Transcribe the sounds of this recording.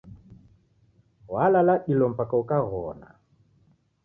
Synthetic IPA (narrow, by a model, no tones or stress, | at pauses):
ɣwalalaɗilɔm̩pakaukaɣɔ̰na̰